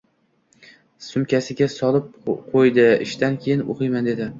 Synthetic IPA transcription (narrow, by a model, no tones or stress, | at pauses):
sʊmkʲasɪɡʲasɒlˠɪp̚qʰojd̪ɪɪʃt̪ankʲʰejɪnoqʰɨjmand̪e̞d̪ɪ